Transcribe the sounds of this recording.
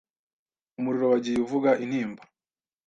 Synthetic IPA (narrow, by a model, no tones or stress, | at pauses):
umuɾiɾo̞waɟijuvuɡaʔin̥hiːmbḁ